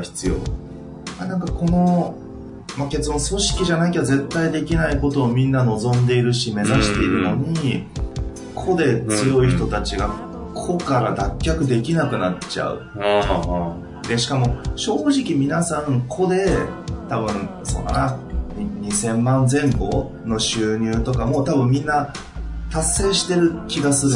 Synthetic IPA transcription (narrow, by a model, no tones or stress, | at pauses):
çi̥t͡sɨjo̞̰ː | anãŋkakʰo̞no̞ | make̞t͡sɨd̪õso̞ɕi̥kʲiʑanaik̬ʲe̞d̪oze̞t̪ːaid̪e̞kʲinaiko̞t̪o̞ːmʲĩnːano̞zõ̞nd̪e̞iɾɯ̟ɕime̞zaɕi̥t̪e̞iɾɯ̟no̞ɲ̟i | kʰo̞d̪e̞t͡sɨjo̞içi̥t̪o̞t̪at͡ɕiɡa | kʰo̞kaɾad̪akʲːakɯ̟d̪e̞kʲinakɯ̟nat͡ɕa̰ɯ̰ | d̪e̞ɕi̥kamo̞ɕo̞ːʑikʲimʲinasãŋkʰo̞d̪e̞t̪abɯ̟̃nso̞̰nːa̰naɲiɲisẽ̞mːãnd͡zẽ̞mbo̞̰ | no̞ɕɨːɲ̟ɨːt̪o̞kamo̞t̪abɯ̟̃mːʲĩnːa | t̪asːe̞ːɕi̥t̪e̞ɾɯ̟kʲiɡasɨɾɯ